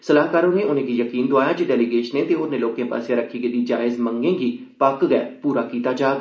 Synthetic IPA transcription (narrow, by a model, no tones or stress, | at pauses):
səlaːɦkaːɾoːneːʊnẽːɡiːjəkiːnd̪oaːjaːd͡ʒeːɖɛːliɡeːʃənẽːt̪eːonẽːloːkẽːpa̰ːsjãːɾəkʰːiːɡeːd̪iːd͡ʒaːɪzməŋɡẽːɡiː | pəkɡɛɛ̰ːpuːɾaːkiːt̪aːd͡ʒaːɡ